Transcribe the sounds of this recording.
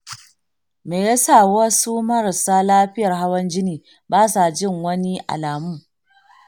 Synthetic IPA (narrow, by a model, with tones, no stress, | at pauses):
meː˨ja˦sa˦˨wɐ˦su˦mɐ˦ɾa˨saː˦laː˦ɸɪ˦jɐ˨rɦa˦wɐ˦nd͡ʒɪ˦niː˨ | baː˦sa˨d͡ʒɪ˦˨ŋwɐ˦ni˦ʔa̰˨laː˨mʊ˦